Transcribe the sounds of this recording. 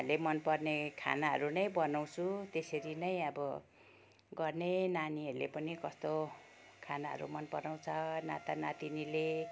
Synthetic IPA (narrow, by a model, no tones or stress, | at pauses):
ʌlemʌnpʌrnekʰa̰naɦʌ̰ɾunʌjbʌnaw̃t͡sʰut̪esʌɾinʌj̃ʌbʌ | ɡʌrnenaniɦʌɾulepʌnikʌst̪o | kʰanaɦʌ̰ɾṵmʌnpʌrnaw̃t͡sʰʌna̰t̪anat̪inile